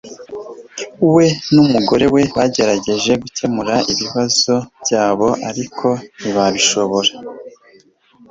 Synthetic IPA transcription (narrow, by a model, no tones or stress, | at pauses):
uwe̞numuɡo̞ɾe̞we̞βaɟe̞ɾaɟe̞ʒe̞ɡucʰe̞muɾaiβiβazo̞bjaːβo̞ʔaɾikʰo̞niβaβiʃo̞βo̞ɾa